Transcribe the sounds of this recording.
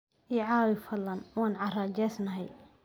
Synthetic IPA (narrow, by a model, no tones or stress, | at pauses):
ʔiʕaːwɪfɐlːɐnwaːnʕɑraːd͡ʒɛsnɐɦɛ̰j